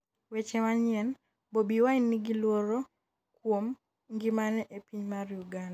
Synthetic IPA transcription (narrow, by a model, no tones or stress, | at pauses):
wet͡ʃɛmaɲɪɛn | bobiwaɪnːiɡilwoɾɔ | kwom | ŋɡimanɛʔepiɲmarjuɡand